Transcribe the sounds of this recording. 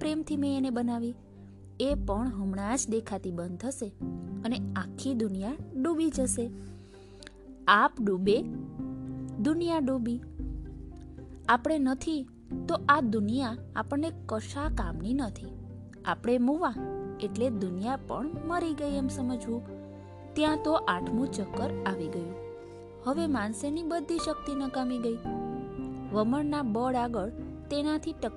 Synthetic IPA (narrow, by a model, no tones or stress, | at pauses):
pɾemt̪ʰimẽenebənaʋi | epəɳɦumɳad͡ʒd̪ekʰat̪ibənd̪ʱəʃeəneãkʰːid̪unijaɖubid͡ʒəʃe | apɖube | d̪unijaɖubi | apɽ̃enət̪ʰi | t̪oʔad̪ʊnijaa̰pəɳnekːəʃakamninət̪ʰi | a̰pɽ̃emuʋãeʈled̪unijapə̰ɳməɾiɡəiemsəməd͡ʒʋũk | t̪jãt̪oʔaʈʰmũt͡ʃəkːəɾaʋiɡəjũ | həʋemansenibəd̪ʱːiʃək̚t̪inəkamiɡəi | ʋəməɳnabəɽaɡəɭt̪enat̪ʰiʈək